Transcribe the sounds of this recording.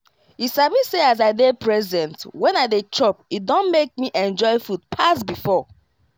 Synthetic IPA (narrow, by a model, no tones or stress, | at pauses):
isamiseazaɪdepʰɹɛzɛ̃ntwɛ̃naɪdetʰɹɔp̚it̚dõnmek̚miʔɛ̃nd͡ʒɔɪfud̚pʰasbifɔ